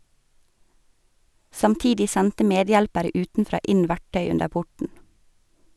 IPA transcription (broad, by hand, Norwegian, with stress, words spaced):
sɑmˈtiːdɪ ˈsɛntə ˈmeːˌdjɛlpəɾə ˈʉːtnˌfɾɑː ˈɪn ˈʋæʈœʏ ˈʉndəɾ ˈpʊʈɳ̩